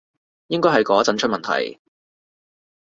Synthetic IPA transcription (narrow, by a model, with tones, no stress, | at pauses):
jɪ˥ŋkɔː˥ɦɐ˨jkɔː˨˥t͡sɐ˨˥nt͡ʃʰɵ˥mɐ˨nt̪ʰɐ̰˨˩j